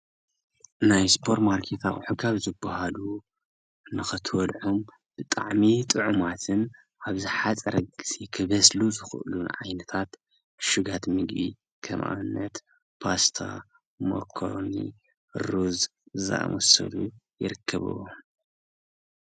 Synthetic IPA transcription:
najspʰo̞ɾt̪maɾkʰet̪ʰaʔħukʰaβzɨbːahalu | nɨxɨt̪ʰwɔd̪ʕom | b̥ɨt̪ʼa̰ʕmit̪ʼɨʕumat̪ʰɨn | ʔaβzɨħat͡sʼɐɾɐɡɨsikʰɨβɐsluzɨxɨʔɨlunʕajnɐt̪ʰat̪ | ʃuɡat̪mɨɡbi | kʰɐmʔa̰nːɐt̪ | pʰast̪ʰa̰ | mo̰kʰo̰ɾnḭ | ɾuzza̰ʔmɔsɐ̰lṵjɪ̰ɾɨkʰːɐβɨ̰wo

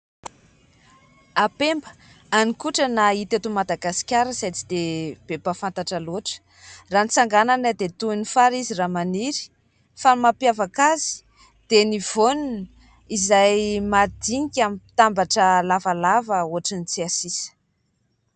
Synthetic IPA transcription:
apembə̥ | anikuʈ͡ʂənait̪et̪umad̪aɡasi̥kʲaɾəzajt͡si̥d̪eb̥ebafant̪aʈ͡ʂəloʈ͡ʂə̥ | ranit͡saŋɡananad̪et̪unifaɾiziramaniɾi̥ | famapjavakazi̥ | d̪̥enivonun | izajmad̪iŋikʲamipi̥t̪ambaʈ͡ʂəlavalavəoaʈ͡ʂinit͡siasisə̥

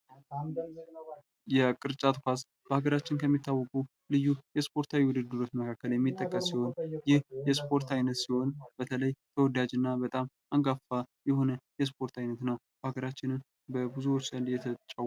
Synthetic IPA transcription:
jɛkʼɨɾt͡ʃʼat̪ʰkʰʷas | b̥əhaɡəɾat͡ʃːɪnkʰəmːit̪ːawːɔkʼu | lɨjːujɛspʰo̞ɾt̪ʰawiwʊd̪ɨd̪ːɨɾot̪məkʰakːəljɛmːit̪ʼːəkʼːəsːiho̞njɪhjɛspʰʼo̞ɾt̪ʰajnət̪siho̞nb̥ət̪ʰələjt̪ʰəwɔd̪ad͡ʒɨnːabət̪ʼam | aŋɡafajɛho̞nəjɛs̬pʰo̞ɾt̪ʰajnət̪nəw | bəhaɡəɾat͡ʃːɪnɨn | bəbɨzuwot͡ʃːsəljɛt̪ʰət͡ʃʼːa

